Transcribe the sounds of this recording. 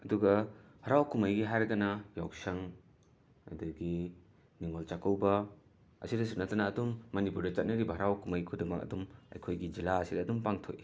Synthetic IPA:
ɐduɡɐ | hɐɾawkumajɡiɦaɾɡanɐjawsɐŋ | ɐ̰duɡi | niŋolt͡ʃakɐwbɐ | ɐ̰sidɐsunatanaːdumːɐnipuɾdɐt͡ʃɐt̚nɐɾibɐɦɐɾawkumajkʰudiŋmɐkɐ̰dumɐ̰jkʰojɡid͡ʒilaɐsidɐːdumpaŋtʰo̰j

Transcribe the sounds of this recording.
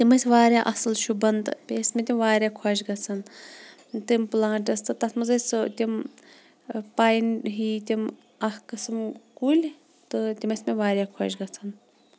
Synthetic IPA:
t̪ʲimɐsʲʋaːɾʲjaːʔɐsɨlʃubɐnd̪pʲeːsʲmʲet̪ʲimʋaːɾʲjaːkʰɐːʃɡɐt͡sʰɐn | t̪ɨmplãːʈɐst̪ɨt̪ɐsʰmɐzɐst̪ʲim | paːjinɦiːt̪ʲim | ɐhkɨsɨmkulʲ | t̪ɨt̪ʲimɐsʲmeʋaːɾʲjaːkʰɔːʃɡɐt͡sʰɐn

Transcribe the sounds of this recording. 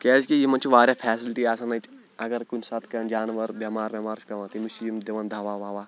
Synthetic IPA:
kɛːzkijimɐnt͡ʃʰiʋaːɾʲjaːpʰɛːsilʈiaːsɐnɐt͡ʃ | ɐɡɐɾkunʲsɐt̪ʰkɐnd͡ʒaːnʋɐɾbʲɐmaːɾbʲjɐmaːɾt͡ʃʰpʲɐʋãnt̪imut͡ʃʰijimd̪eʋɐnd̪ʱɐʋaʋaːʋaː

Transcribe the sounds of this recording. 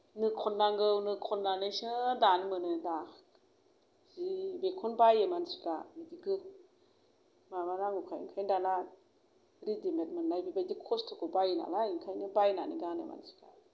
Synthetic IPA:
nɯkʰɔnːaŋɡɯwnɯkʰɔnːanɯjsɯdanmɯnɯda | z̥ibekʰɔnbajemansi̥kamidiɡɯk | mabalaŋukʰaḭŋkʰajndala | ɾidimet̚mɯnːajbibazikʰɔstʰukʰɔbajna̰laiŋkʰajnɯbajnaniɡanḛma̰nsi̥ka̰

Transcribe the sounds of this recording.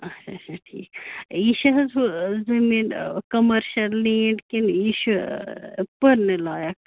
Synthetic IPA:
ɐʃʰat͡ʃʰaʈʰḭːkiʃɐɦɐzuzɐmiːnkɐmɐɾʃɐlːeːɳɖkiniʃu | pɐɾnelaːjɐk̚

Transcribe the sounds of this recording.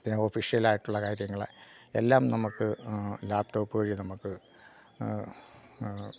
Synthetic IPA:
ofiʂijɐlaːjiʈːuɭːɐkaːɾjɐŋːɐɭe̞̰lːaːmnɐmukːɨlaːp̚ʈo̞ːpːɨɣɐɻinɐmukːɨ

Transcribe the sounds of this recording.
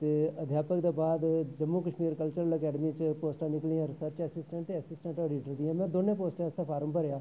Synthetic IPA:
t̪eːəd̪ʱjaːpəkd̪eːbaːd̪d͡ʒəmːukəʃmiːɾkəlt͡ʃəɾələkɛːɖəmiːt͡ʃpoːsʈãːnɪkliːãːɾɪsəɾt͡ʃəsɪsʈə̃ɳʈt̪eːəsɪsʈə̃ɳʈɔːɖiːʈəɾd̪iãːmɛ̃ːd̪oːnẽːpoːsʈẽst̪aːpʰaːɾəmpəɾejaː

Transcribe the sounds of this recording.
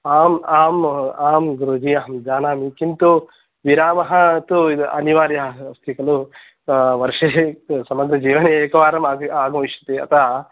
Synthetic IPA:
aːmaːmaːmɡɾoːd͡ʒiɐɦɐmd͡ʒaːnaːmikint̪u | ʋiɾaːmɐɦɐt̪uɐ̰niʋaːɾjɐɦɐɐst̪ʰikɐlu | ʋɐɾʂesɐmɐɡɾɐd͡ʒiːʋɐneeːkɐʋaːɾɐmaːaːɡɐmiʃɐt̪eɐ̰t̪ʰaː

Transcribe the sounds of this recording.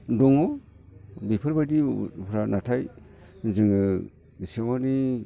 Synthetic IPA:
dɔŋo | bipʰɯɾbadipʰɾanatʰaj | ziŋɯ | sewani

